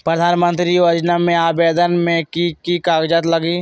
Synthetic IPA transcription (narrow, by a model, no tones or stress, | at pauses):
pɾəd̪ʱaːnmə̃nt̪ɾiʋəd͡ʒnamẽaːbeːd̪ənmẽkikikaːɡd͡ʒət̪ləɡiː